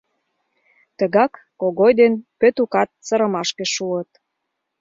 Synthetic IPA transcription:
t̪əɣɑkːoɣojd̪enpøt̪ukɑt̪̚t͡səɾə̆mɑʃkeʃuət̪

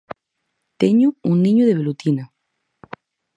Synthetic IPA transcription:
t̪eɲuuŋnĩɲuðeβelut̪ina

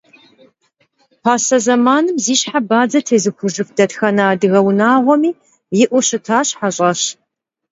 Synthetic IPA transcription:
pʰaːsɐzɐmaːnɨmziːɕħabaːd͡zɐtʰeːzɨxʷʊʒɨfd̥ɐtxɐnaːdɨɣɐwnaːʁʷɔmiː | jɪʔʷʊɕɨtʰaːɕħaɕʼɐɕ

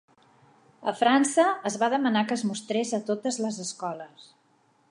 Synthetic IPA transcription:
ə̰fɾansəːzβaðəmənakəzmust̪ɾezət̪ot̪əzləzəskɔləs

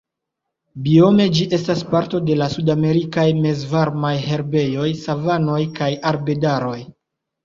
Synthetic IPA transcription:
bio̞me̞d͡ʒiʔe̞staspaɾto̞de̞lasudame̞ɾikajme̞zvaɾmajhe̞ɾbe̞jo̞jsavano̞jkajaɾbe̞daɾo̞j

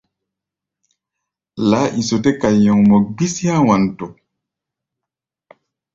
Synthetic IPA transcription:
laːʔisɔtɛkajːɔŋmɔbisihawantɔ

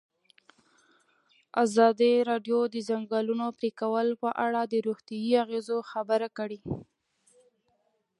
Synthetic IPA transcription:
azɑd̪iɾɑɖjod̪əzaŋɡɑlunopɾikawəlpəʔaɽad̪əɾuxt̪jajiaɣezoxabəɾakəɽi

